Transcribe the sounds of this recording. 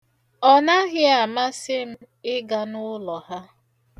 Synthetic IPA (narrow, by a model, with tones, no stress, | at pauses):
ɔ˨na˦ɣɪ˦a˨ma˦sɪ˦m̩˦ | ɪ˦ɡa˦nʊ˦lɔ˨ha˦